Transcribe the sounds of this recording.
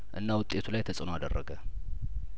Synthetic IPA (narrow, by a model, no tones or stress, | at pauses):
ʔɨnːawʊt̪ʼːe̞t̪ʰulajt̪ʰəsʼənoad̪ərːəɡə